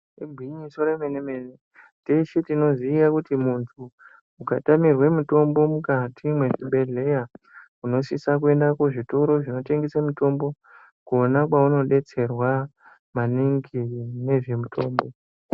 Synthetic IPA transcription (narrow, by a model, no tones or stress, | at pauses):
iɡʱwiɲiso̞ɾemenemene | teʃitino̞ziːjakutimuntʰuː | katamirwe̞muto̞mbo̞mukatʰimwe̞ʐiɓe̞ɮe̞ja | uno̞sisak̬ue̞ndakuʐito̞ɾo̞ʐino̞te̞ŋɡesamuto̞mbo̞ | kuonakwauno̞ɗe̞t͡se̞rwa | maniŋɡine̞ʐe̞mutʰo̞ːmbo̞